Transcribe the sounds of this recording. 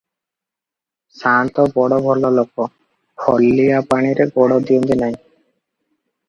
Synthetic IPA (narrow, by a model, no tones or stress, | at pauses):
sant̪ɔbɔɽɔbʱɔlːɔlokːɔ | kʰɔlːiapaɽ̃iɾeɡɔɽɔd̪iond̪inaj̃